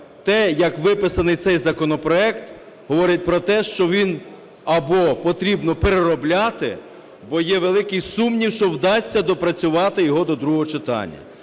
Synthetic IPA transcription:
t̪ɛjɐkʋɪpɪsɐnɪjt̪sɛjzɐkɔnɔpɾɔɛkt̪ | ɦɔʋɔɾɪt̚ʲpɾɔt̪ɛʃt͡ʃɔʋʲin | ɐbɔpɔt̪ɾʲibnɔpeɾeɾɔblʲɑt̪ɪ̰ | bɔjɛʋelˠɪkɪjsumnʲiwʃt͡ʃɔwd̪ɑsʲtʲːɐd̪ɔpɾɐt͡sʲʊʋɑt̪ɪjɔɦɔd̪ɔd̪ɾuɦɔɦɔt͡ʃɪt̪ɑ̰nʲːɐ̰

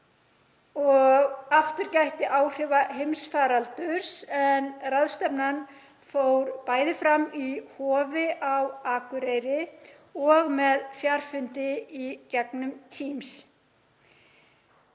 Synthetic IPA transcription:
ɔɣaft̪ʏɾcajht̪ɪʔaːwr̥ɪːvaɦejmsfaːɾalt̪ʏɾ̥sɛnraðst̪ɛpnan | fowɾpaːjðɪfɾamːihɔːvɪʔawaːkʏɾejɾɪ | ɔɣmɛðfjaɾ̥fʏnt̪ɪicɛknʏmt̪ʰiːms

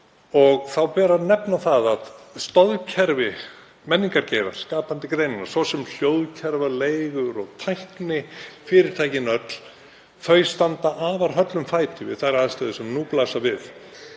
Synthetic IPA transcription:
ɔɣθawpɛːɾaðnɛpnaθaðaðst̪ɔðcʰɛɾvɪ | mɛnːiŋkaɾcɛjɾa̰̥skaːpant̪ɪkɾejnɪna̰ɾ̥svɔsɛml̥jowðcʰɛɾvaleːjɣʏɾɔɣt̪ʰajhknɪfɪːɾɪɾ̥t̪ʰaːjcɪnœt̪l̥ | θœɥjst̪ant̪aʔaːvaɾ̥ɦœt̪lʏmfaːjt̪ɪvɪ̰ðθaðɾaðst̪aðɪsɛmnuplaːsavɪð

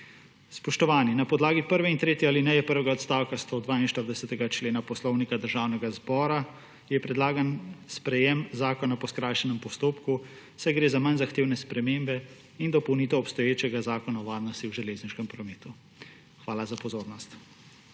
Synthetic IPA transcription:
spɔʃt̪ɔʋaːninapɔd̪laːɡipəɾʋɛint̪ɾeːt̪jɛalinɛjɛpəɾʋɛɡaɔt̪st̪aːwkast̪od̪ʋaːinʃt̪əɾd̪ɛsɛt̪ɛɡat͡ʃleːnapɔslɔwnikad̪əɾʒaːwnɛɡazbɔːɾa | jɛpɾɛd̪laːɡanspɾɛjɛmzaːkɔnapɔskɾaːjʃɛnɛmpɔst̪oːpku | sɛjɡɾeːzamanzaxt̪eːwnɛspɾɛmeːmbɛ | ind̪ɔpɔwniːt̪ɛɔpst̪ɔjeːt͡ʃɛɡazaːkɔnaɔʋaːɾnɔst̪iwʒɛleːzniʃkɛmpɾɔmeːt̪u | xʋaːlazapɔzoːɾnɔst̪

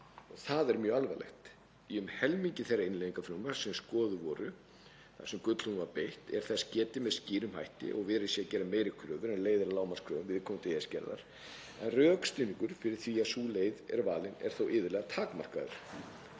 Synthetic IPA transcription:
ɔɣθaðɛɾmjœːalvalɛ̰xt̪ | iʏmhɛlmiɲcɪθejrːaɪnleðiŋkafɾʏmaɾ̥sɛmskɔːðʏvɔːɾʏ | θḁsɛmkʏt̪l̥unvaɾpejht̪ɛ̰ɾ̥θɛscɛːt̪ɪmɛðsciːɾʏmha̰jht̪ɪ̰ʔɔɣvɪːðɾɪsjɛcɛːɾamːeːjɾɪkʰɾœːvʏɾɛnleːjðɪɾalaːwmanskʰɾœːvʏmvɪðɪkʰɔːmt̪ʰɪɛscɛ̰ɾða̰ɾ̥ | ɛnrœːkst̪iːniŋkʏɾ̥fɪɾɪɾ̥θviasuːleːjðɛ̰ɾvaːlɪnɛ̰ɾ̥θowʔɪːðɪɾlɛːɣat̪ʰaːkmar̥ka̰ðʏ̰ɾ̥

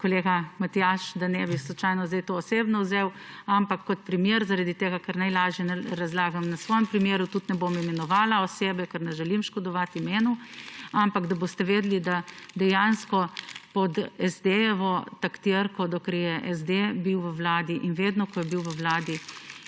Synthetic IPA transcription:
kɔleːɡamat̪ijaʃd̪anɛbislɔt͡ʃaːjnɔzd̪ajt̪oːseːbnɔwzew | ampakːɔt̪̚pɾimjeːɾzaɾad̪it̪eːɡakaɾnajlaːʒjɛnɛɾazlaːɡamnasʋɔːjɛmpɾimjeːɾut̪ut̪nɛbomimɛnɔʋaːlaɔseːbɛkaɾnɛʒɛlimʃkɔd̪ɔʋat̪imeːnuampaɡd̪aboːst̪ɛʋeːd̪lid̪ad̪ɛjanskɔpɔd̪ɛzd̪ejɛʋɔt̪akt̪iɾkɔd̪ɔkɾjɛʔɛzd̪ebiwʋəwlaːd̪iʔinʋeːd̪nɔkɔjɛbiwʋəwlaːd̪i

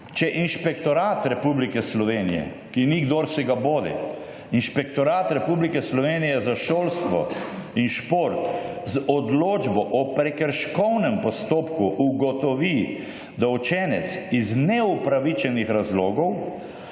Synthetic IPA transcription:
t͡ʃɛʔinʃpɛkt̪ɔɾaːt̪ɾɛpublikɛslɔʋeːnijɛ̰ | kiniɡd̪oːɾsɛɡaboːd̪ɛ̰ | inʃpɛkt̪ɔɾaːt̪ɾɛpublikɛslɔʋeːnijɛzaʃoːlst̪ʋɔ̰inʃpoɾt̪zɔd̪loːd͡ʒbɔʔɔpɾɛkəɾʃkɔwnɛmpɔst̪oːpkuʔːɡɔt̪ɔʋi | d̪aut͡ʃɛːnɛt̪siznɛupɾaʋit͡ʃɛnixɾazloːɡɔw

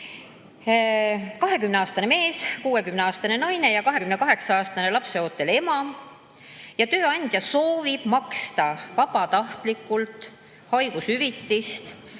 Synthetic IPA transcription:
kɑɦe̞kymne̞ɑːst̪ɑneme̞ːskuːe̞kymneɑːst̪ɑne̞nɑjne̞jɑkɑɦe̞kymne̞kɑɦe̞ksɑɑːst̪ɑne̞lɑpse̞o̞ːt̪ˑːe̞le̞mɑ | jɑt̪ø̞ːɑnʲd̪̥jɑso̞ːvib̥mɑkst̪ɑvɑb̥ɑt̪ɑht̪likːˑult̪ˑ | hɑjɡ̥usyvit̪ːist̪

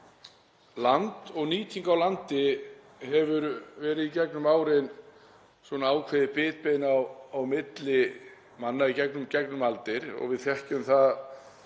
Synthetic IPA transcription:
lant̪ɔɣniːt̪ʰiŋkawlant̪ɪ | ɦɛvʏɾvɛːɾɪðicɛknʏmaːwɾɪn | sɔnaaːwkʰvɛːðɪpɪːt̪peːjnawawmɪt̪lɪ | manːaicɛknʏmcɛknʏmalt̪ɪɾɔ̰ɣvɪðθjɛhcʏmθað

